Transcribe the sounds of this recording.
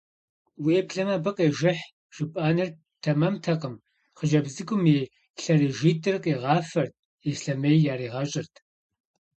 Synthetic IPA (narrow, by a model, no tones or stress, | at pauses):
weːpɬɐmɐbɨqʼeːʒɪħ | ʒ̥ɪpʼaːnɐr | tʰɐmɐmtʰɐqəm | χəʒɐbzɨɡʷʊmeː | ɬɐɾeːʒiːtʰʼɨrqʼeːʁɑːfɐrt̚ʰ | eːsɬɐmejjaːɾiːʁɐɕʼɪrtʰ